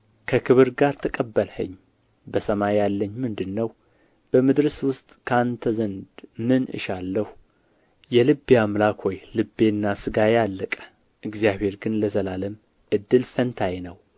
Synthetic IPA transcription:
kʰəkʰɨβɨɾɡaɾt̪ʰəkʼəbːəlhə̰ɲː | bəsəmajjalːəɲːmɨnd̪ɨnːəw | b̥əmɨd̪ɾɨswʊst̪ʼkʰant̪ʰəzənd̪mɨnɨ̰ʃalːəhu | jɛlɨbːeamlakhojlɨbːe̞nːasɨɡajalːəkʼə̥ | ʔɨɡzijaβe̞ɾɡɨnləzəlaləm | ʔɨd̪ːɨlfənt̪ʰajnəw

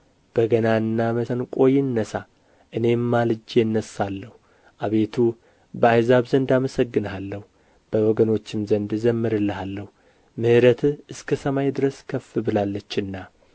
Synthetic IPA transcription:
b̥əɡənaɨnːaməənkʼo̞jɪnːəsa | ʔɨne̞mːalɨd͡ʒeɨnːəsːalːəhu | ʔaβe̞t̪ʰu | bəajzaβzənd̪aməsəɡːɨnalːəhu | b̥əwɔɡəno̞t͡ʃːɪmzənd̪zəmːɨɾɨlːəhalːəhu | mɨhɨɾət̪ʰɨskʰəsəmajd̪ɨɾəskʰəfːɨbɨlalːət͡ʃːɨnːa

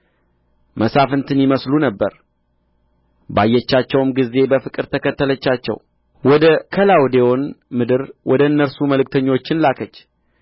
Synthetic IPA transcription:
mʔəsafɨnt̪ʰɨnjɪməslunəbːəɾ | bajːɛt͡ʃːat͡ʃːɛwmɡizːe̞bəfɨkʼɨɾt̪ʰəkʰət̪ːələt͡ʃːat͡ʃːɛ̰w | wɔd̪əkʰəlawd̪ewonmɨd̪ɨɾwʔɔd̪əɨnːəɾsuməlɨk̚ʼt̪ʰəɲːo̞t͡ʃːɪnlakʰət͡ʃː

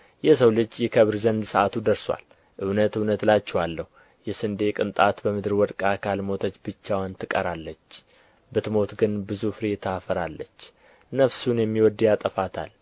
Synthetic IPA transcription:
jɛsəwlɨd͡ʒːjɛkʰəβɾzənd̪səʔat̪ʰud̪əɾswa̰l | ʔɨwnət̪ɨwnət̪lat͡ʃːɛwalːəhu | jɛsɨnd̪e̞kʼɨnt̪ʼat̪bəmɨd̪ɨɾwɔd̪kʼakʰalmo̞t̪ʰət͡ʃːbɨt͡ʃːawant̪ʰɨkʼəɾalːət͡ʃː | bɨt̪mo̞t̪ɡɨnbɨzufɨɾe̞t̪ʰafəɾalːət͡ʃː | nəfsunjɛmːiwɔd̪ːjat̪ʼəfat̪ʰa̰l

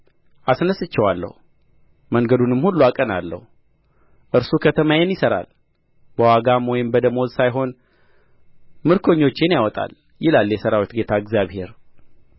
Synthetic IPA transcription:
ʔasnəsɨt͡ʃːɛwalːə̰hu | məŋɡəd̪unɨmhulːuakʼənalːə̰hu | ʔɨɾsukʰət̪ʰəmajɛnjɪsəɾa̰l | bəwaɡamɔjɪmbəd̪əmo̞zsajɦo̞n | mɨɾkʰo̞ɲːo̞t͡ʃːenjawɔt̪ʼa̰l | jɪlalːjɛsəɾawit̪ɡe̞t̪ʰaɨɡzjaβhe̞ɾ

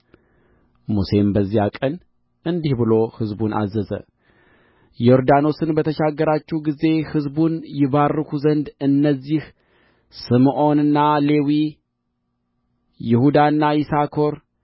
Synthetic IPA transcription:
muse̞mbəzːijakʼən | ʔɨnd̪ihbɨlo̞hɨzbunʔa̰zəzə̰ | jo̞ɾd̪ano̞sɨnbət̪ʰəʃaɡːəɾat͡ʃːihɡize̞hɨzbunjɪβarːɨkuzənd̪ɨnːəzːih | sɨmʔo̞nɨnːale̞wi | jɪhud̪anːajɪsakʰo̞ɾ

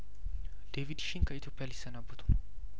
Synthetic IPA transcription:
d̪̥evid̪ʃinkʰəit̪ʰjo̞pʰʼːijalɪsːənabːət̪ʰʼu̥

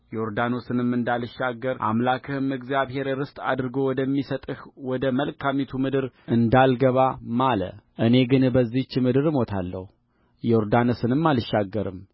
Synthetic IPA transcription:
jɛoɾd̪ano̞sɨnɨmːɨnd̪alɨʃːaɡːəɾʔa̰mlakʰɨhɨmɨɡzijaβhe̞ɾɾɨst̪ʼa̰d̪ɾɨɡo̞wɔd̪əmːisət̪ʼɨhwɔd̪əməlkʰamit̪ʰumɨd̪ɨɾɨnd̪alɡəβamalə̰ʔɨne̞ɡɨnbəzːit͡ʃːɪmɨd̪ɨɾɨmo̞t̪ʰa̰lːə̰hu | jɛoɾd̪ansɨnɨmːalʃːaɡːəɾɨ̰m

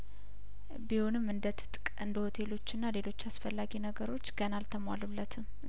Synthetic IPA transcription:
biho̞nɨmːɨnd̪ət̪ʰɨ̥t̪ʼkʼɨnd̪əho̞t̪ʰe̞lo̞t͡ʃːɨnːale̞lo̞t͡ʃːasfəlːaɡinəɡəɾo̞t͡ʃːɡənalt̪ʰəmwalulːət̪ʰɨm

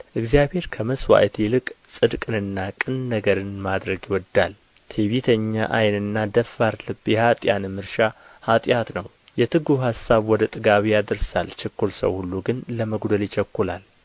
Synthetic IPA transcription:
ʔɨɡzijabhe̞ɾkʰəməswa̰jt̪ʰilɨkʼsʼɨd̪kʼɨnɨnːakʼɨnːəɡəɾɨnmad̪ɾəɡiwɔd̪ːal | t̪ʰeβit̪ʰəɲːaʔajnɨnːad̪əfːaɾlɨbjɛhat̪ʼjanmɨɾʃa | hat̪ʼjat̪nəw | jɛt̪ʰɨɡuɦhasːaβwɔd̪ət̪ʼɨɡaβijad̪ɨɾsalt͡ʃʰɛkːulsə̰whulːuɡɨnləməɡd̪əlɪt͡ʃʰɛkːulal

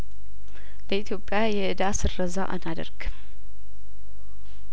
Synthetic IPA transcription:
ləit̪ʰjo̞pʼːjajɛʔɨd̪asɨrːəza̰ʔa̰nad̪ə̰ɾɡ̥ɨm

